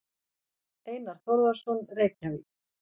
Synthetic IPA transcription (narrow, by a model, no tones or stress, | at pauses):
eːjnaɾ̥θɔɾvḁsɔnreːjcavi